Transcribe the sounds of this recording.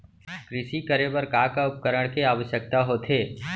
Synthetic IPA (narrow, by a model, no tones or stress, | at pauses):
kɾɪʃikəɾebəɾkaːkaʊp̚kəɾəɽ̃keaːʋəʃjək̚t̪aɦoːt̪ʰeː